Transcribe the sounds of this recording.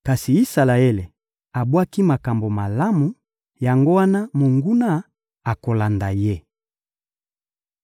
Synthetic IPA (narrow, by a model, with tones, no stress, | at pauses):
ka˨si˨i˦sa˨la˨e˦le˨ | a˨bwa˦ki˦ma˨ka˨mbo˨ma˨la˦mu˨ | ja˨ŋɡo˦wa˦na˦mo˨ŋɡu˦na˦ | a˨ko˨la˨nda˨je˦